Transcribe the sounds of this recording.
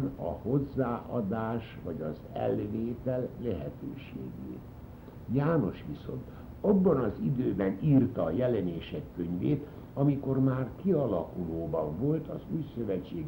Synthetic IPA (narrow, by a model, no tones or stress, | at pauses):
nɒ̰ho̞zːaːʔɒd̪aːʃʋɒɟɒz | ɛ̰lveːt̪ɛlːɛɦɛt̪ø̰ːʃḛːɡḛːt̪ | jaːno̞ʃʋiso̞̰nt̪ | ɒbːɒnɒzid̪øːbɛniːrt̪ɒːjɛlɛneːʃɛkːøɲveːt̪ | ɒmiko̞rmaːrkiɒlɒkuloːbɒɱvo̞lt̪ɒzuːjsø̞vɛt͡ʃːeː